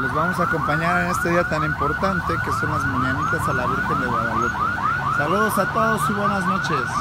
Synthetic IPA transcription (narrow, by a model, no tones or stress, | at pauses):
le̞zβamo̞saːko̞mpaɲaɾene̞st̪e̞ðiat̪animpo̞ɾt̪ant̪e̞ke̞so̞nlazmaɲanit̪asalaβiɾxe̞nd̪e̞βwaðalot̪a | saluðo̞sat̪o̞ðo̞siβwe̞nazno̞t͡ʃe̞s